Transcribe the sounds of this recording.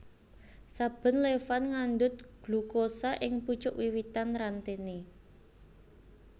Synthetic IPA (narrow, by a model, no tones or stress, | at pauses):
sab̥ə̤nlefanŋand̪ʊt̪̚ɡ̥lṳkosaʔɪŋput͡ʃʊʔwiwit̪anɾant̪ene